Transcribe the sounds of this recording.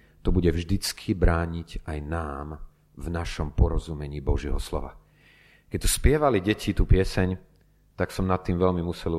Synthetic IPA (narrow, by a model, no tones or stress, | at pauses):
t̪ɔbuɟɛvʒd̪it͡skʰibɾaːɲiɟajnaːm | vnaʃɔmpɔɾɔzumɛɲiːbɔʒɪɛ̰ɦɔslɔ̰ʋa̰ | kɛc̚t̪ɔ̥spɪɛʋaliɟɛcʰit̪uːpɪɛsɛɲ | t̪aksɔmnat̪ːiːmʋɛʎmimusɛl